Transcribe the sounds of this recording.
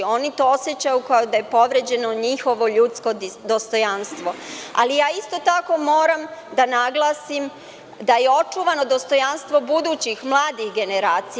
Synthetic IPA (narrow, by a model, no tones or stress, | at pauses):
o̞nit̪o̞o̞sjet͡ɕajukajod̪ajepo̞ʋɾe̞d͡ʑe̞no̞ɲixo̞ʋo̞ʎut̪sko̞d̪ost̪o̞janst̪ʋo̞a̰lijaːist̪o̞t̪ako̞mo̞ːɾamd̪anaɡlˠaːsim | d̪ajeo̞t͡ʃuʋano̞d̪ost̪o̞janst̪ʋo̞bud̪uːt͡ɕixmlˠaːd̪ixɡe̞neɾaːt̪si